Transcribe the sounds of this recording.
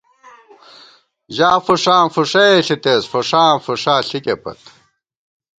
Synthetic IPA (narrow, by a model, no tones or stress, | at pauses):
ʑaːfuʂaːfuʂɐeɬit̪eːsfuʂaːfuʂaːɬikepɐ̰t̪